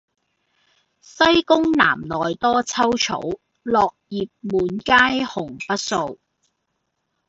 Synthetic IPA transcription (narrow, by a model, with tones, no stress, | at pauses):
sɐ˥jkʊ˥ŋna̰ː˨˩mnɔː˨˩jt̪ɔː˥t͡sʰɐ˥wt͡ʃʰo̰˨˥w | lɔː˨k̚jiː˨p̚muː˨˥nkaː˥jhʊ˨˩ŋpɐ˥t̚so˧w